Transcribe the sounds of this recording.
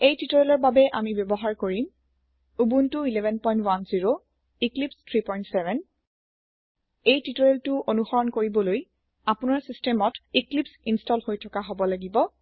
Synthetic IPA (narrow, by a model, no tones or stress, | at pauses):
ejtitɔɹɛlɔɹbabɛʔamibjɔbɔɦaɹkoɹim | ubuntʊilɛvʱɛnpɔj̃ntwanziɹo | iklipstʰɹipɔjntsɛvʱɛn | ejtitɔɹɛltʊʔonuxɔɹɔnkoɹibɔloj | apʊnaɹsistɛmɔtiklipsinstɔlhojtʰɔkaɦobɔlaɡibɔ